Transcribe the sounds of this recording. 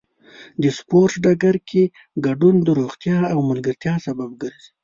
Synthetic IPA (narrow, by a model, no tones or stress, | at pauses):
d̪əspoɾʈɖaɡaɾkʰe | ɡaɖund̪əɾoɣt̪jɑawmalɡəɾt̪jɑsabab̚ɡəɾzi̥